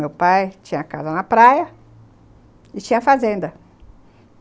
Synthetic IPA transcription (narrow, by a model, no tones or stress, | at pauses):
mewpajt͡ʃĩɲɐkazɐnɐpɾajɐ | ɪt͡ʃĩɲɐfazẽnd̪ɐ